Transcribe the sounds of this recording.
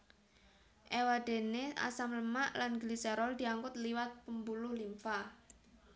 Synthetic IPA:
ʔewad̥e̤nea̰samləmaʔlanɡlisɛɾɔld̪i̤aŋkʊt̪̚liwat̪̚pəmbulʊhlimfa

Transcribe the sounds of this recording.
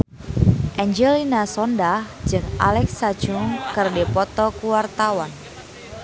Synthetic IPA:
ʔɛɲd͡ʒɛlinasɔndahd͡ʒɨŋʔa̰lɛksḁd͡ʒuŋkɨrdepɔt̪ɔkuwart̪awan

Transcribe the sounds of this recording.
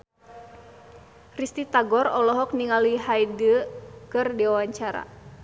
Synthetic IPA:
rist̪it̪aɡɔrɔlɔɦɔk̚niŋaliɦajdəkɨrdiwawaɲt͡ʃaɾa̰

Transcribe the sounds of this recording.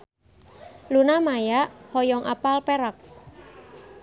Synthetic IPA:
lunamajaʔhɔjɔŋʔa̰palpeɾak̚

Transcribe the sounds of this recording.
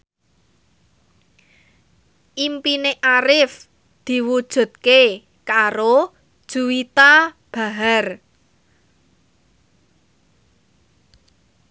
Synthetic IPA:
ʔimpineʔaɾɪf | d̪̥i̤wud̥ʒ̥ṳt̪̚ke | kaɾo | d̥ʒ̥ṳwit̪a | b̥a̤ɦar

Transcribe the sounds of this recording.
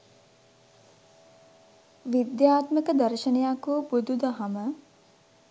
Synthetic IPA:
ʋid̪jaːt̪məkəd̪ɐɾʃənejakubud̪ud̪əɦamə

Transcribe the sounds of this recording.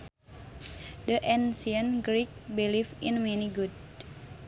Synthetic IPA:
dəʔɛnsiənɡɾik̚bilifinmeniɡud̚

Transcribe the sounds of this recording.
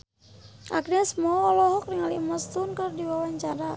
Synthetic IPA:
ʔaknɛsmɔːlɔɦɔkriŋalimast̪unkərdiwawaɲt͡ʃaɾa

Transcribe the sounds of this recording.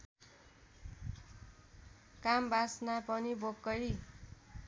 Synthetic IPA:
kambasnapʌnibokːʌj

